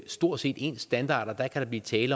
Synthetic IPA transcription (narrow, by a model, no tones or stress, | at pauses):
sd̥o̝ɐ̰̥se̝̰ːd̥e̝̰ːnsd̥ænd̥ɑ̰̈ːd̥ɒd̥ækʰæɾ̥ɑ̈bliːt͡sʰɛːlə